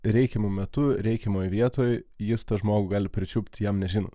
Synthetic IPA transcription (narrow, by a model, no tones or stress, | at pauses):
ɾʲɛɪkʲɛmʊmʲɛt̪ʊɾʲɛɪkʲɛmoːjʋʲiɛt̪oːjjɪst̪ɐʒmoːɡʊɡɑːlʲɪpʲɾʲɪt͡ʃʲʊpʲt̪ʲjɛmnʲɛʒʲɪno̰ː